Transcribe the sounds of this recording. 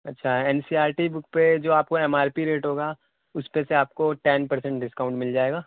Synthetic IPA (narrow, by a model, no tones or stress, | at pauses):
ɐtːʃʰaɛɛːnsiaːɾʈibʊkped͡ʒoːaːp̚koɛmaːɾpiɾeːʈɦoːɡaː | ʊspeseaːp̚koʈɛːnpɐɾsɛ̃ɳʈ̚ɖɪskaːʊ̃ɳʈmɪld͡ʒaːeːɡaː